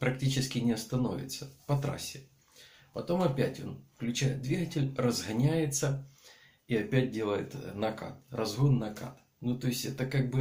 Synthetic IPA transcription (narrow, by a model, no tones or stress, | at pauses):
pɾɐktʲit͡ɕɪskʲɪnʲɪɐst̪ɐno̞̰vʲɪ̰t̪səpɐt̪ɾa̰sʲːɪ | pɐt̪o̞mɐpʲætʲo̞̰nfklʲʉt͡ɕæjɪt̪̚d̪vʲiɡətʲɪlʲrəzɣɐnʲæjɪt̪sə | iɐpʲæt̚ʲdʲe̞lˠəjɪ̰t̪nɐka̰t̪̚rɐzɣonnːɐka̰t̪ | nut̪oɪsʲtʲɛt̪əkaɡ̚bɨ